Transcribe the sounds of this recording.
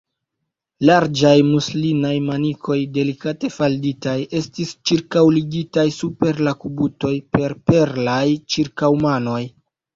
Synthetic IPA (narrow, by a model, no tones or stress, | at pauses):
laɾd͡ʒajmuslinajmanikʰo̞jde̞likate̞falditaje̞stist͡ʃiɾkawliɡitajsupe̞ɾlakubuto̞jpe̞ɾpe̞ɾlajt͡ʃiɾkawmano̞j